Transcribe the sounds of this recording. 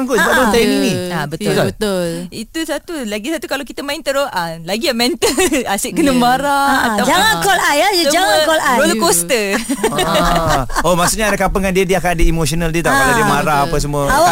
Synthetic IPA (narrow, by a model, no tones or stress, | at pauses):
ŋkʊsəbapdaant̪ainiŋnĩabət̪ət̪olbət̪ʊlit̪usat̪ulaɡisat̪ukalawkit̪əmaint̪əɾoʔalaɡiamɛnt̪əasɪʔkənəmaɾaat̪ad͡ʒaŋankolajad͡ʒəd͡ʒaŋakolaolukost̪ə | omasuʔɲadakapəŋandiədiakadəimosionaldiət̪akaladəmaɾaːpəs̬əmuəawa